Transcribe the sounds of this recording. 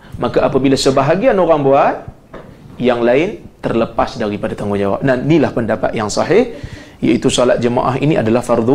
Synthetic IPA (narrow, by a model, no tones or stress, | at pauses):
makaʔapabilasəbaɦaɡianoɾaŋboat̪̚ | jaŋlaɪnt̪ərləpasdaɾipadat̪aŋɡud͡ʒawa̰p̚nahnilahpəndapa̰t̪̚jaŋsɑɦɪhja̰it̪usɔlat̪̚d͡ʒəma̰ʔa̰ɦiniʔa̰dalahfard̪u